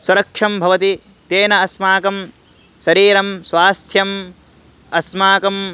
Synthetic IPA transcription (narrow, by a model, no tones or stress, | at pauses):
suɾɐkʂɐmbʱɐʋɐt̪i | t̪eːnɐɐsmaːkɐm | ʃɐɾiːɾɐmsʋaːst̪ʰjɐm | ɐsmaːkɐm